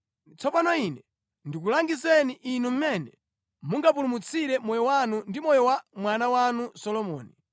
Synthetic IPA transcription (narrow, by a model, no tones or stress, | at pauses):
t͡sʰɔpanɔinɛ | ndik̬ulaŋɡisɛniʔinum̩mɛnɛ | muŋɡapulumut͡sʰiɾɛmɔjɔwanundimɔjɔwamwanawanusɔlɔmɔːni